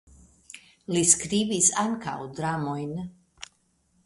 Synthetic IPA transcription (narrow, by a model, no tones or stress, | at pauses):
liskɾivisaŋkʰa̰wd̪ɾamɔjn